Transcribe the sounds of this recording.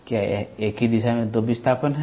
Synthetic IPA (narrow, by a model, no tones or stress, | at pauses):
kjaeːkɦid̪iʃamẽd̪oːbist̪ʰaːpənɦɛ